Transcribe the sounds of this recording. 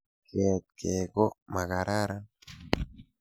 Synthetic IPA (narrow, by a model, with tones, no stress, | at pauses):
ke˨t̪̚kʰe˨ko˦ma˨ka˨ɾa˦ɾa˦